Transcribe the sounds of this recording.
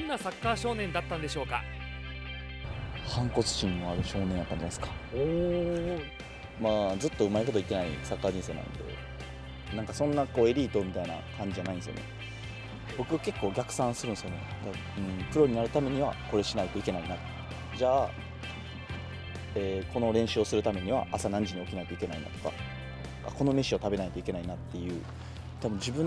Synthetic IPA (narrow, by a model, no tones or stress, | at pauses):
õnːasakːaːɕo̞ːnẽ̞nd̪at̪ːãnd̪e̞ɕo̞ːka̰ | hãŋko̞t͡sɨ̥ʑĩnːoaɾɯ̟ɕo̞ːnend̪at̪ːãɲd͡ʑanmasɨ̥kḁo | maːzɨt̪ːo̞ɯ̟maeko̞t̪oike̞naḭsakːaːd͡ʑĩɰ̃s̬e̞ːnã̰nd̪e̞̰ | nãŋkasõ̞nːako̞ːe̞ɾʲiːt̪o̞mʲit̪aina̰kãɲ̟d͡ʑid͡ʑanaĩnd̪esɨjo̰nḛ | bo̞kɯ̟ɡake̞kːo̞ːɡʲakɯ̟̥sãɰ̃sɨɾɯ̟ñsɨjo̞ne̞̰d̪a | ɯ̟̃ɴkɯ̟ɾo̞ɲ̟inaɾɯ̟t̪ame̞ɲ̟iβako̞ɾe̞ɕinait̪o̞ike̞nainat̪o | d͡ʑaː | eːko̞no̞ɾẽ̞ɰ̃ɕɨosɨɾɯ̟t̪ame̞ɲ̟iβa̰ʔːsanãɲ̟d͡ʑiɲ̟io̞kʲinait̪o̞ike̞naḭna̰t̪o̞̥ka̰ | n | ka̰ko̞no̞me̞ɕio̞t̪abe̞nait̪oike̞nainat̪ːe̞jɯ̟ː | t̪abɯ̟̃ɲ̟d͡ʑibɯ̟̃